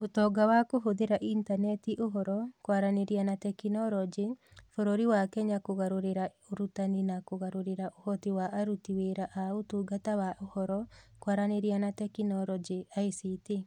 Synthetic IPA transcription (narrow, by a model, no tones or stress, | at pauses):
otɔːɡawakoɦoðeɾaʔintanɛtiʔoɦɔɾɔkwaɾaneɾianatɛkinɔɾɔd͡ʒifoɾoɾiwakɛɲakoɣaɾoɾeɾa | oɾutaninakoɣaɾoɾeɾaʔohɔtiwaʔːɾutiweɾaʔaotuɡatawaʔohɔɾɔkwaɾaneɾianatɛkinɔɾɔd͡ʒiaisiti